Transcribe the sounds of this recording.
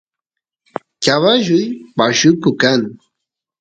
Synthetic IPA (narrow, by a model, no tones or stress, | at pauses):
kaβaʒʊjpaʃʊkʊkaŋ